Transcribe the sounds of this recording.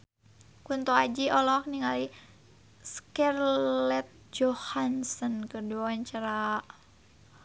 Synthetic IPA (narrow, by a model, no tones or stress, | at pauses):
kunt̪ɔad͡ʒiʔɔlɔk̚niŋali | skɛrlɛt̪̚d͡ʒɔhansənkəduaaɲt͡ʃaɾa